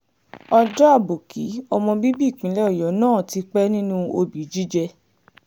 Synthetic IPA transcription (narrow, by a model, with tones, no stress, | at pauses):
ɔ˧dɔ˦a˦˨bo˨kʰi˨˦ɔ˧mɔ̃˧bi˦bi˦˨k͡pĩ˨˦lɛ˦ɔ˦˨jɔ˨˦nãː˦˨ti˧k͡pɛ˦nĩ˦nũ˦o˧bi˨˦d͡ʒi˦d͡ʒɛ˧